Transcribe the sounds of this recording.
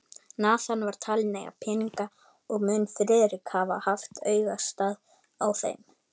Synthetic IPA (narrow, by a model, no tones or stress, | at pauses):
naːt̪anvaɾ̥t̪ʰalnejɣa̰pʰɛːniŋka | ɔɣmʏnfɾɛðɾɪkhavahaft̪œːɥvast̪aːð | awθḛjm